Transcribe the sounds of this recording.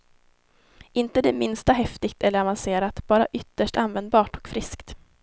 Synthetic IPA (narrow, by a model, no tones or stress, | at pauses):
ɪnt̪əd̪ɛmɪnst̪aɦɛft̪ɪɡt̪ʰɛlːəɾavanseːɾat̪bɑːɾa̰ʔʏt̪ːəʂʈanvɛnd̪̚bɑːʈɔ̥kfɾɪskt̪